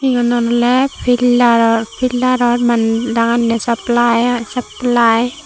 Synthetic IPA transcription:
iŋɔnɔnɔlɛpʰilaɾɔpʰilaɾɔɾmandaŋanːɛsaplajsaplaj

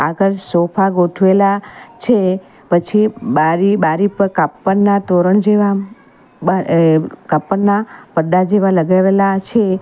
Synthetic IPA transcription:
aɡəɾsopʰaɡoʈʰʋelat͡ʃʰe | pət͡ʃʰibaɾibaɾipəɾkapːənːat̪oɾənd͡ʒeʋa | akapːənːapəɖad͡ʒeʋaləɡaʋelat͡ʃʰe

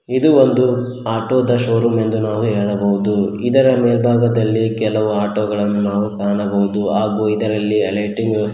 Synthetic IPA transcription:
id̪uond̪u | aːʈoːd̪ɐʃoːɾume̞nd̪unaːʋuɦeːɭɐbɐɦud̪uid̪ɐɾɐmeːlbʱaːɡɐd̪ɐlːikɛlɐʋuaːʈoːɡɐɭɐnːunaːʋukaːɳɐbɐwud̪uaːɡuid̪ɐɾɐlːiɐleːʈiŋɡ

